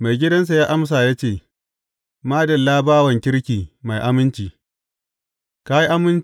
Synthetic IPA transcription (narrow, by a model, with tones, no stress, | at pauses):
ma˨jɡʲɪ˦dɐ˦ns̬a˨jaː˦ʔa˦ms̬aː˨jaː˦t͡ʃeː˦˨ | maː˦dɐ˨lːaː˦baː˦wɐ˨ŋkʲɪ˦ɽkʲiː˨ma˨jʔa˦mɪ˦nt͡ʃiː˨ | ka˦ji˦ʔa˦mɪ˦n